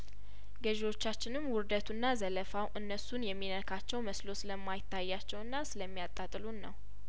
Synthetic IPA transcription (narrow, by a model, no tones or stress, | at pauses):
ɡəʒewo̞t͡ʃːat͡ʃːɪnɨmwʊɾd̪ət̪ʰunːazələfawʔɨnːəsunjɛmːinəkʰat͡ʃːɛwməslo̞sɨləmːajɪt̪ːajːat͡ʃːɛwɨnːasɨləmːijat̪ʼːat̪ʼɨlunːəw